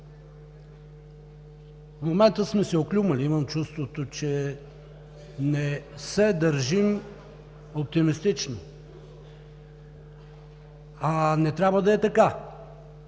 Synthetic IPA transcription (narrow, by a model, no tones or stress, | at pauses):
fmomɛnt̪əsmɛsɛoklʲuməliiməmt͡ʃust̪vot̪ot͡ʃɛ | nɛsɛd̪əɾʒim | op̚t̪imist̪it͡ʃno | anɛt̪ɾʲabvəd̪ɐɛt̪ɐka